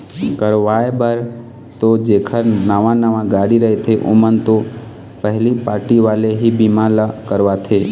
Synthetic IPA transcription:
kəɾʋajbəɾ | t̪od͡ʒekʰəɾnəʋãnəʋãɡaɽiɾəɦet̪ʰeʔṵmənt̪o | pəɦlipaːɾʈiʋaːleɦibimãləkəɾʋat̪ʰe

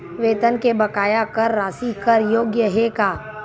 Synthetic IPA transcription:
ʋeːt̪ənkebɐkaːjakɐɾːaːsikəɾjoːɡjəɦekaː

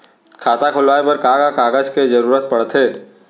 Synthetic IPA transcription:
kʰaːt̪akʰʊlʋaːepɐɾkaːɡakaːɡəd͡ʒked͡ʒəɾuːɾət̪̚pɐɽt̪ʰɦeː

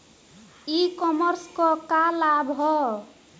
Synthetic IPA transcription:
ikɔmʌɾskɔkalabɦɔ

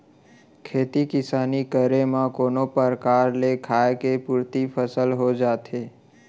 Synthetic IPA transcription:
kʰeːt̪ikɪsaːnikəɾemãkoːnopəɾkaːɾlekʰaːekepuɾt̪ipʰəsəlɦod͡ʒaːt̪eː

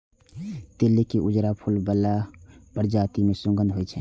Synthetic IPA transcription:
t̪elːekeʔud͡ʒɾapʰulbəlːabəɾd͡ʒaːt̪imesũŋɡʱənɦoɛt͡ʃʰɛ

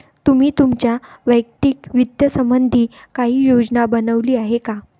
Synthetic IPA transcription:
t̪um̤iːt̪umt͡ɕjaʋəjkt̪ikʋid̪jəsəmbənd̪ʱiːkaɦiːjod͡ʑnabənəʋliːaɦeka

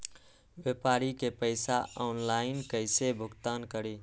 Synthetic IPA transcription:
ʋjepaːɾikepəɪsaɔːnlaːɪnkəɪsebʱʊɡt̪aːnkəɾi

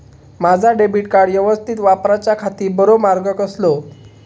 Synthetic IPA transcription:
mad͡zʱaɖebiʈkaɽjəʋəst̪ʰit̪ʋapɾat͡ɕjakʰat̪iːbəɾomaɾɡəkəslo

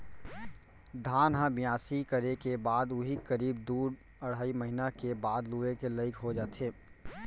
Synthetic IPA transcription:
d̪ʱaːnɦãbɪjaːsikəɾekebaːd̪ʊɦikəɾiːb̚d̪uːɾ | əɽ̤aːiməɦɪnakebaːd̪luekeləɪkɦod͡ʒaːt̪eː

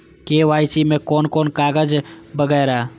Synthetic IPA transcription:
keːʋaːit͡ʃimẽkɔːnkɔːnkaːɡəd͡ʒbəɡɛːɾa

